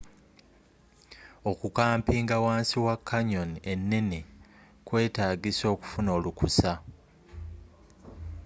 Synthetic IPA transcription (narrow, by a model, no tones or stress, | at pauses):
o̞kukaːmpiːŋɡawaːnsiwakʰːaɲo̞nie̞nːe̞ne | kwe̞ːtaːɡiso̞ːku̥funo̞ːlukusa